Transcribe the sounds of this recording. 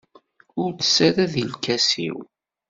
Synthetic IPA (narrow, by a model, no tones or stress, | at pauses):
ʊɾt͡sə̥sæɾæðilkæsḭw